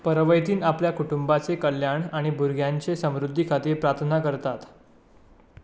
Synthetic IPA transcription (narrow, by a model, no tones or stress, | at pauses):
pəɾəʋəjt̪iːnapljakuʈumbat͡sekəljaɳaɽ̃ibʱuɾɡʱjaɲt͡sesəmɾud̪ʱːikʰat̪iːɾpɾaɾt̪ʰnakəɾt̪at̪